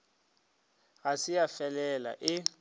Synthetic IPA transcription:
ɣasɪjafɛlɛla̰ʔɪ

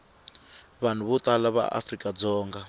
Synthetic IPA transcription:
βan̤uβɔt̪alaβa̰ʔa̰frikʼad͡zɔːŋɡa

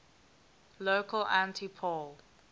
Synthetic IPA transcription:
lokʰəlãntʰipʰɔl

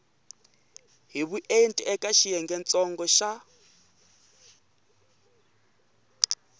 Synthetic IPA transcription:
ɦiβuʔentʼiʔɛkʼaʃijɛŋɡɛnt͡sʼɔŋɡɔʃa

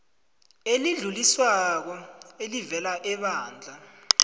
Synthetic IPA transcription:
eliɮuliswak̬ɔelivɛlaʔɛɓaːnd͡ɮʱa

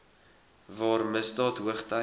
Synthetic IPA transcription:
vɑːɾmɪsdɑːthuəχta

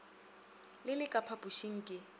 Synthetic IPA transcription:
lɪlɪkʼapʰapʼuʃiŋ̩kʼɪ

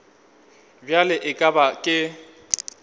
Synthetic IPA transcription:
bjalɪʔɪkʼabakʼɪ

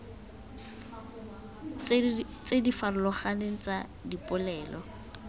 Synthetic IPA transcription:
t͡sedifarʊlɔχaneŋ̩t͡sadipʼʊlɛːlɔ

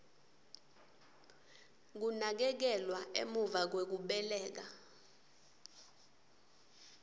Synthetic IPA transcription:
k̬unak̬ɛk̬ɛlwaḛmuvak̬wek̬uɓɛlɛːk̬a

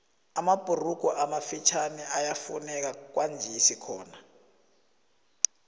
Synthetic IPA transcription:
amab̥ʱʼurukɔʔamafit͡ʃʰanɛʔajafunɛk̬ak̬wʔand͡ʒʱɛisikʰɔːna

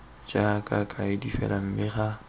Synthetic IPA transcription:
t͡ʃʼakʼakʼaɪdifɛ̰lam̩bɪχa

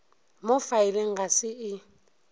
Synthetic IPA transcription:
mofaileŋ̩ɣasɪɪ

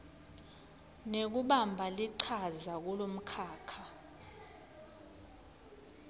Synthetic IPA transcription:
nek̬uɓambʱaliǀʰazak̬ulom̩kʰaːkʰa

